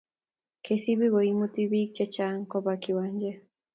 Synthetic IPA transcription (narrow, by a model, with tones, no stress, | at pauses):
kʰesi˦bi˦ɣɔ˨imu˦t̪i˦bi˦k̚t͡ʃɛ˦t͡ʃa˦ŋkɔ˦baki˨waɲd͡ʒɛ˦